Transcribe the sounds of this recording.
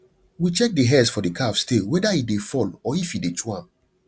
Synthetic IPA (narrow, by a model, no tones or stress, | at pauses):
wit͡ʃɛk̚deɦɛsfɔdikʰafstʰewɛdaidefɔlɔifidet͡ʃuãm